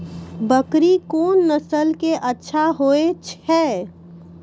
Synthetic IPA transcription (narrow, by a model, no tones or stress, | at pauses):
bəkɾikoːnːəsəlkeʔətːʃʰaɦoet͡ʃʰɛ